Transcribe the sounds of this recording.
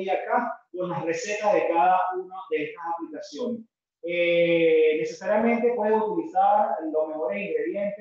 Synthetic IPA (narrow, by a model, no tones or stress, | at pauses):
akak̪onlasre̞se̞t̪aðe̞kaðaunaðe̞est̪asaplikasjones | e | ne̞sesaɾjamẽ̞nt̪e̞pwe̞ðeut̪ilisaɾlosmexoɾesiŋɡɾe̞ðje̞nt̪e